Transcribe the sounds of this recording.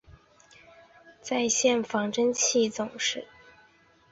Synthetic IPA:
t͡sa˥˧ɪɕjɛ˥˩nfɑ˧˥ŋʈ͡ʂə˥nt͡ɕʰi˥˩t͡sʊ˨˩ŋʂɻ̩˥˩

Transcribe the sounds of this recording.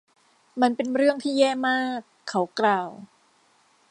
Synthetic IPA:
ma˧npe˧nɾɯ˥˩əŋt̪ʰiː˥˩jɛː˥˩maː˥˩kʰːa˦˥wklaː˧w

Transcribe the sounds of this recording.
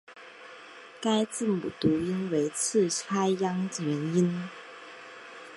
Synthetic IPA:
ka˥ɪt͡sɹ̩˥˩mṵ˨˩t̪u˨˧˥i˥nwe˧˥ɪt͡sʰɹ̩˥˩ʈ͡ʂʰa˥ɪjɑ˥ŋt͡ɕjɛ˧˥ni˥n

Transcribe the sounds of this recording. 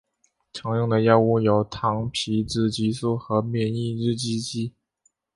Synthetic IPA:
ʈ͡ʂʰɤ˧˥ŋjʊ˥˩ŋd̪ə˩jɑ˥˧ʊu˥˩jo˧˥ʊt̪ʰɑ˧˥ŋpʰi˧˥ʈ͡ʂɻ̩˥˩t͡ɕi˧˥su˥˩xɤ˧˥mjɛ˥˩ni˥˧ɻɻ̩˥˧t͡ɕi˥t͡ɕi˥

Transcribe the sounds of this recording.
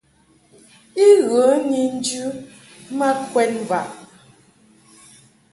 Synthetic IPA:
i˦ɣə˨˦ɲi˨n̩˦d͡ʒʉ˦ | mɛ˦kwɛ˦tm˨va˨ʔ

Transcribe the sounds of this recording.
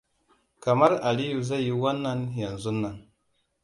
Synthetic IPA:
ka˨ma˦ɾa˨li˦ju˨za˦˨ji˦wa˦nːa˦nja˨nzu˦nːa˨n

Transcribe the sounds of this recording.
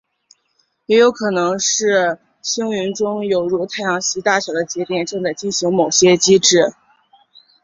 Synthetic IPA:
jɛ˧˥jo˧˥ʊkʰɤ˨˩nɤ˧˥ŋʂɻ̩˥˩ | ɕi˥ŋy˧˥nʈ͡ʂʊ˥ŋjo˨˩ʊɻu˥˩t̪ʰa˥˩ɪjɑ˧˥ŋɕi˧˥t̪a˥˩ɕjɑ˨˩ʊd̪ə˦t͡ɕjɛ˧˥t̪jɛ˨˩nʈ͡ʂɤ˥˧ŋt͡sa˥˩˧ɪt͡ɕi˥˩nɕi˧˥ŋmo˨˩ʊɕjɛ˥t͡ɕi˥ʈ͡ʂɻ̩˥˩

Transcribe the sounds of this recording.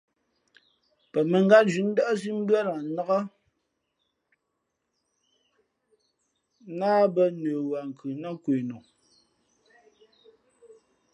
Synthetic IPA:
pɛ˨mɛ˨ŋɡa˦td͡ʒi˨˦n̩˦dɔ˦ʔs̬i˦m˦bɰa˦ɾa˨˦na˦ɣa˦ | naː˦bɛ˦nəː˨wa˨ŋ̩˨kʰɯ˨na˦kweː˨no˨

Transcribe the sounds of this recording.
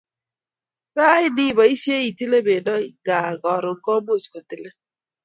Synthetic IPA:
ɾa˦ɪ˦nɪ˦ba˨i˦se˦i˨ti˦le˦be˨dɔ˦ɡa˨ɡɔ˨ɾʊ˨ŋkɔ˦mo˦˨sko˨ti˦le˦

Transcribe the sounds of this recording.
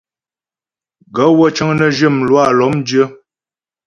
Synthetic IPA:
ɡə˨˦wə˦t͡ʃə˦ŋnə˦ʒə˦˨mlwa˦˨lɔ˨˦mdjə˦

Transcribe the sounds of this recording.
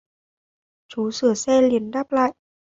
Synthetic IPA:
t͡ɕu˨˦sɨ˧˩əsɛ˧li˨˦ənɗaː˦˥p̚la̰ː˧˨jʔ

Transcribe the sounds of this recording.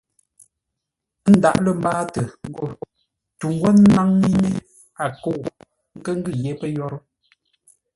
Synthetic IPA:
n̩˦da̰˦˨ʔlə˨m˦baː˦tə˨ŋ̩˦ɡo˦˨ | tu˨ŋ˦ɡwɔ˦n˦ma˦ŋmi˦ɲe˦ | a˨ko˦˨ɣ | ŋ̩˦kə˦ŋ˦ɡɨ˦˨je˦pə˦jɔ˦ɾə˦

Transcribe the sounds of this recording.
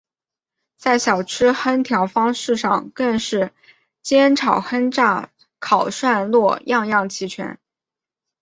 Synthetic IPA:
t͡sa˥˩ɪɕjɑ˨˩ʊʈ͡ʂʰɻ̩˥xə˥nt̪ʰjɑ˧˥ʊfɑ˥ŋʂɻ̩˥˧ʂɑ˥˧ŋkə˥˧ŋʂɻ̩˥˩ | t͡ɕjɛ˥nʈ͡ʂʰɑ˨˩ʊxə˥nʈ͡ʂa˥˩ | kʰɑ˨˩ʊʂwa˥˧nlwɔ˥˧jɑ˥˧ŋjɑ˥˩ŋt͡ɕʰi˧˥t͡ɕʰɥɛ̰˧˥n

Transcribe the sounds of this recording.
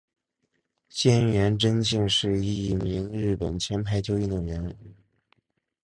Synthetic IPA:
ɕjɛ˥nɥɛ˧˥nʈ͡ʂə˥nɕi˥˧ŋʂɻ̩˥˧i˥˧˥mi˧˥ŋɻɻ̩˥˩pə̰˨˩nt͡ɕʰjɛ˥npʰa˥ɪt͡ɕjo˥ʊi˥˧nə˨˩ɥɛ˧˥n

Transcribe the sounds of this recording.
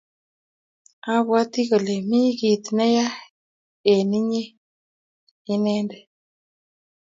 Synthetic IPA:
a˦βwa˦t̪ɪ˦ko˨le˨mɪ˦ɡi˨t̪nɛ˦ja˦ | e˨nɪ˦ɲe˦ | ɪ˦nɛ˦ndɛ˨

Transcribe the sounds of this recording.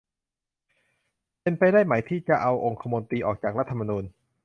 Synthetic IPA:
pe˧npa˧jdaː˥˩jma˩˦jt̪ʰiː˥˩t͡ɕa˧˩ʔa˧wʔo˧ŋkʰa˧mo˧nt̪iː˧ʔɔ̰ː˨˩k̚t͡ɕaː˨˩k̚ɾa˦˥t̪ʰːa˧ma˧nuː˧n

